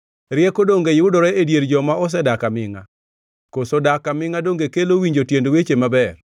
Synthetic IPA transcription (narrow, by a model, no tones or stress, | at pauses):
ɾɪjɛkodoŋɡejɪʊdɔɾɛedjeɾd͡ʒɔmaɔs̬ɛdakamɪŋa̰ | kosodakamɪŋadoŋɡekelowiɲd͡ʒotjendwet͡ʃemabɛr